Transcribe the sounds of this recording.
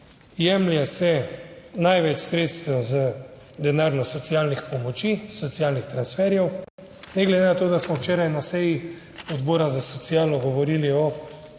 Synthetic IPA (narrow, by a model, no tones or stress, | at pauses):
jɛmljasɛnajʋɛt͡ʃsɾeːt̪st̪ɔwzə | d̪ɛnaɾnɔsɔt̪sjaːlnixpɔmɔt͡ʃisɔt̪sjalnixt̪ɾansfɛɾjɛw | nɛɡlɛd̪enat̪oːd̪asmɔwt͡ʃɛːɾajnasɛji | ɔd̪boːɾazasɔt̪sijaːlɔɡɔʋɔɾiliɔ